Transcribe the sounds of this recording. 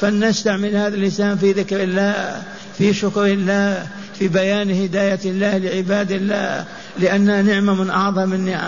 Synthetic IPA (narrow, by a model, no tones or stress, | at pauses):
fanːaːst̪aʕmɪlhaːðalːɪsaːnfiðɪkɾɪlːaːh | fiʃʊkɾɪlːaː | fibajaːnhɪd̪aːjalːaːhlɪʕɪbaːd̪ɪlːaː | lɪʔanːanɪʕmamɪnʔɑʕðˤɑmɪnːɪʕa̰